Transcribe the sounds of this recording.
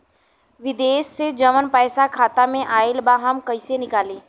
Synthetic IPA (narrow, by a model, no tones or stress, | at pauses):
ʋɪd̪eːssed͡ʒɐʋənpəːsakʰaːt̪amẽʔaːɪlbaːɦamkɐɪsenɪkaːliː